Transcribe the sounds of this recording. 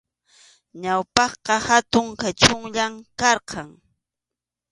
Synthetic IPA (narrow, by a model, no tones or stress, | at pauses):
ɲawpɑχqɑhat̪ʊŋkat͡ʃʊŋʎamkɑɾqʰɑŋ